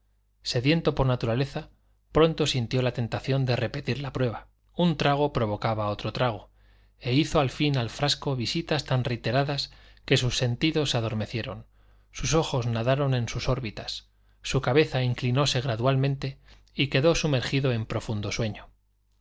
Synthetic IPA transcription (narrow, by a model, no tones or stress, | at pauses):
se̞ðje̞nt̪o̞po̞ɾnat̪uɾale̞θa | pɾo̞nt̪o̞sint̪jo̞lat̪e̞nt̪aθjo̞nd̪e̞re̞pe̞t̪iɾlapɾwe̞βa | unt̪ɾaɣ̞o̞pɾo̞βo̞kaβao̞t̪ɾo̞t̪ɾaɣ̞o̞ | e̞iθo̞alfinalfɾasko̞βisit̪ast̪anret̪e̞ɾaðaske̞susːe̞nt̪iðo̞saðo̞ɾme̞θje̞ɾo̞̰n | suso̞xo̞znaðaɾo̞nẽ̞nsuso̞ɾβit̪ḁs | sukaβe̞θaiŋklino̞se̞ɣ̞ɾaðwalmẽ̞nt̪e̞ | ike̞ðo̞sume̞ɾxiðo̞e̞mpɾo̞fund̪o̞swe̞ɲo̞